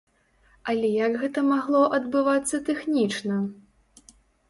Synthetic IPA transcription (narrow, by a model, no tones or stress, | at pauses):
ɐlʲɛjɐɡɣɛt̪ɐmaɣlˠɔʔɐd̪bɨvat̪sːɐt̪ɛxnʲit͡ʂnɐ